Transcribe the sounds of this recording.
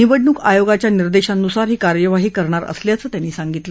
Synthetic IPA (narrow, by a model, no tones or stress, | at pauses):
niʋəɖɳuːkajoɡat͡ɕjaniɾd̪eɕanːusaɾɦiːkaɾjəʋaɦiːkəɾɳaɾə̰sljat͡səːt̪janːiːsaŋɡit̪lə